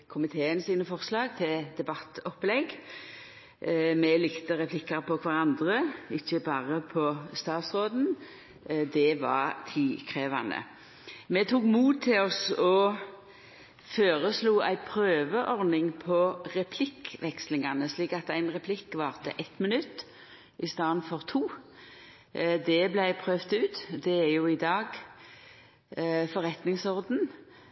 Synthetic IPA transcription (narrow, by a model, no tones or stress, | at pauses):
kʰʊmɪt̪ʰeːənsiːnəfɔʁslɑːɡ̚t̪ʰɪld̪ɛbɑt̪ːɔplɛɡ | mɛlɪkt̪əʁɛpʰlɪkːəɾpɔkʰʋɑʁɑnd̪ʁəɪçːəbɑːʁəpʰɔst̪ɑːt̪sʁoːd̪n | d̪ɛʋɑ̰ʁt̪ʰiːkʰʁeːʋɑnd̪ə̰ | mɛt̪ʰuːkmuːt̪̚t̪ʰːɪlɔsɔ | føːʁəsluːʔæ̰ɪpʰɾøːʋəʔɔʁnɪŋpʰɔʁɛpʰlɪkʋɛkslɪŋɑnəsliːkɑt̪æɪnʁɛpʰlɪkːʋɑːʁt̪ə̰ʔɛt̪mɪnʉt̪ː | ʔɪst̪ɑːnfɔʁt̪ʰuː | d̪ɛblæɪpʰʁøːʋt̪ʉːt̪d̪ɛæjʊɪd̪ɑːɡ | fɔʁɛt̪nɪŋsɔʁd̪n̩